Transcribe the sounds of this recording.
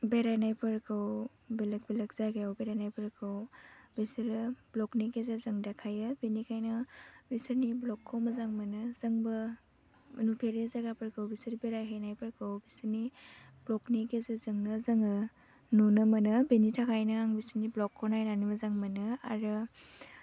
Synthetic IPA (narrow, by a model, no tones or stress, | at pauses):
beɾajnajpʰɯɾkʰɯw | belɐk̚bilɐk̚zaɡejawbeɾajnajpʰɯɾkʰɯwbisɯɾɯblɔknikezezɯŋdakʰajɯbenikʰajnɯbisɯniblɔkʰːowmɐzaŋmɐnɯzɐŋbɯ | nupʰeɾezaɡapʰəɾkʰɯwbisɯɾbeɾajɦajnajpʰɯɾkʰɯwbisɯni | blɔknikezɯzɯŋnɯzɐŋɯ | nunɯmɐnɯbenitʰakʰajnɯaŋbisəniblɔkʰːɔwnajnanimɐzaŋmɐnɯa̰ɾɯ